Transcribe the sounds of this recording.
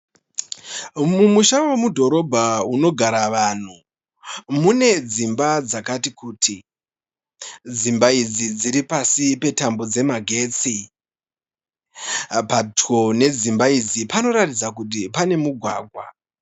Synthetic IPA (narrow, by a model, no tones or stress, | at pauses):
mumuʃawe̞mudʱo̞ɾo̞bʱauno̞ɡʱaɾaʋan̤u | mune̞d͡zimbad͡zakatikuːtʰi | d͡zimbaid͡zid͡ziɾipasipe̞tambo̞d͡ze̞maɡʱe̞ːt͡si | pato̞ne̞d͡zimbaid͡zipano̞ɾatid͡zakut̬ipane̞muɡʱwa̰ːɡʱwa